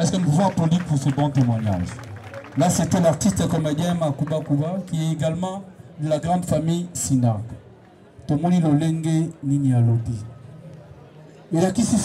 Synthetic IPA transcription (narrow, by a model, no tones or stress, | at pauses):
ɛskənpuvapolipuʁsəbɔ̃temwaɲa̰ʒlasetɛlaʁtistekɔmedjɛ̃makubakubakiɛeɡalmɑ̃d̪əlaɡʁɑ̃dfamijsinak | tomoliloleŋɡeninialobi | elakisi